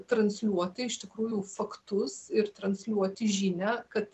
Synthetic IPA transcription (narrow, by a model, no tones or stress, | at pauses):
t̪ɾɐnʲsʲlʲuɔt̪ʲɪɪʃt̪ʲɪkɾuːjʊfɐkt̪ʊsɪɾt̪ɾɐnʲsʲlʲuɔt̪ʲɪʒʲinʲɛkɐt̪